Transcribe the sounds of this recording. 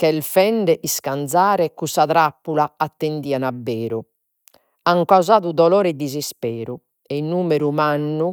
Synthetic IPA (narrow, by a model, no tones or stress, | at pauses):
kɛlfɛɳɖɛʔiskand̪zaːɾɛkusaðɾapːulaat̪ːend̪iːanabːɛːɾu | aŋkauzaːðud̪ɔlɔːɾɛd̪izispɛːɾu | ɛinːuːmeɾumanːu